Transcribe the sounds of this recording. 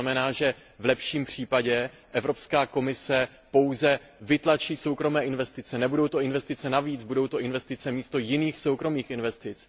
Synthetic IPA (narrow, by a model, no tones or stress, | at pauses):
amɛnaːʒɛ | vlɛpʃiːmpr̝̥iːpaɟɛ | ʔɛvɾo̞pskaːko̞mɪsɛ | po̞wzɛ | vɪt̪lat͡ʃiːso̞wkɾo̞mɛːʔɪnvɛst̪ɪt͡sɛnɛbudo̞wt̪o̞ʔɪnvɛst̪ɪt͡sɛnaviːd͡zbudo̞wt̪o̞ʔɪnvɛst̪ɪt͡sɛmiːst̪o̞jɪniːxso̞wkɾo̞miːxʔɪnvɛst̪ɪt͡s